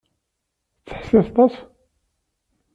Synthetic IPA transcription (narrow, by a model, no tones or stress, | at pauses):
t͡sːəħsæst̪ˤɑs